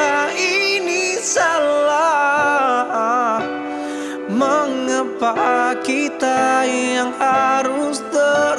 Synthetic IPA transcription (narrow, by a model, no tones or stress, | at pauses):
ainisala | h | məŋəpaʔkit̪ajaŋhaɾusd̪ə